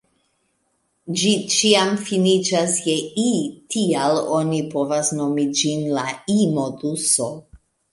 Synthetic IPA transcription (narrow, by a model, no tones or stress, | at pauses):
d͡ʒit͡ʃiamfinit͡ʃasjeitialonipo̞vasno̞mid͡ʒinlaimoduso